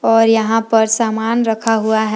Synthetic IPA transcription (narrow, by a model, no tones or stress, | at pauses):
ɔːɾjɐɦãpɐɾsaːmaːnɾɐkʰaɦuaɦɛ